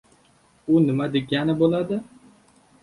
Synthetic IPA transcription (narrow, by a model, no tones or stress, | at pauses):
ʊnɪmad̪eɡʲanɪbolˠad̪ɪ